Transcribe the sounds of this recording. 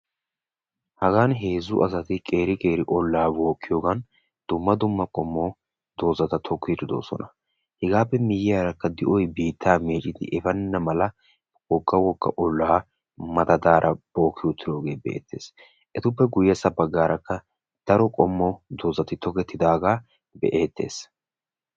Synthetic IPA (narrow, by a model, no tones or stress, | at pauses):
hɐɡaːnɦe̞ːzʊ̰ʔɐsɐt̪ɪkʼe̞ːɾɪkʼe̞ːɾɪʔɔlːaːbo̞ːkːɪjo̞ːɡɐn | d̪̥ʊmːɐd̪ʊmːɐkʼɔmːɔ | d̪o̞ːzɐt̪ɐt̪ʰɔkːɪd̪ɪd̪o̞̰ːsɔ̰nɐ | hɛɡaːpːɛmɪjɪjaːɾɐkːɐd̪ɪʔɔjbiːt̪ʰːaːmeːt͡ʃʼːɪd̪ɪ̰ʔɛfɐnːɐmɐlɐ | wɔɡːɐwɔkːɐ̰ʔɔlːaː | mɐt̪ɐd̪aːɾʔɐb̥o̞ːkʰːɪjʊt̪ːɪd̪o̞ːɡe̞ːbɛʔḛːt̪ʰːe̞̰ːs | ʔɛt̪ʊpːɛɡʊjːɐsɐbɐɡːaːɾʔɐkːɐ | d̪̥ɐɾɔkʼɔmːɔd̪o̞ːzɐt̪ɪt̪ʰɔkɛt̪ːɪd̪aːɡaː | bɛ̰ʔeːt̪ːe̞̰ːs